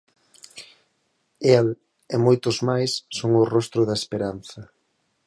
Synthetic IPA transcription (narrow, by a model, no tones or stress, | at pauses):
el | ɪmojt̪ʊzmajsːoŋʊrɔst̪ɾʊðɐespeɾan̟θɐ